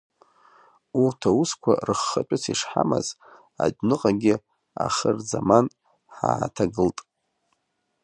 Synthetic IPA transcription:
urtʰauskʷʰarɨχːat͡pʷʼɪt͡sʰiʂħama̰z | adnɨqʼaɡʲɪ | aχərzaman | ħaːtʰaɡɨltʼ

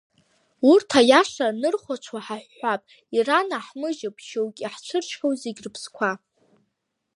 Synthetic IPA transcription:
urtʰajaʂanɨrχʷat͡ʃʷʰwaħaħʷːapʼ | iranaħmɨʒapʰʃowkʲʼiħt͡ʃʷʰɨrt͡ʃʰχʲowzeɡʲrɨpʰskʷʰa

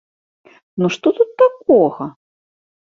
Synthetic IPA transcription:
nuʂt̪ɔt̪ut̪ːak̚ɔɣɐ

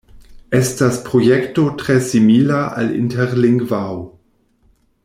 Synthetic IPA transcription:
estaspɾojekto̞tʁesimilaʔa̰lḭnteʁliŋɡvaw

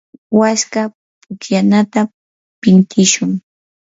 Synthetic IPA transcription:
waska | pʊkjanat̪a | pɪnt̪ʰɪʃʊŋ

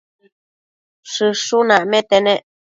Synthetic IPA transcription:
ʂɨʂunãʔmẽt̪enẽʔ

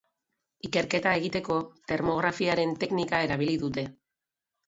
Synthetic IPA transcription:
ike̞ɾke̞t̪ae̞ɣit̪e̞ko̞t̪e̞ɾmo̞ɣ̞ɾafiaɾe̞nt̪e̞knikae̞ɾaβ̞iliðut̪̬e̞

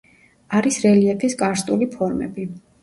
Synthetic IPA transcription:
aɾisɾɛliɛpʰiskʼaɾst̪ʼulipʰɔɾmɛ̰bi

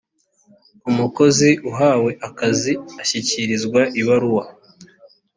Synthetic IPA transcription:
umuko̞ziʔuɦaːwe̞ʔakaziaçiciɾizɡwaʔiβaɾuwa

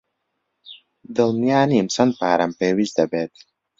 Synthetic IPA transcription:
d̪ɨlˠnijaːniːmsɐn̚paːɾɐmpeːwizd̪ɐbeːt̪̚

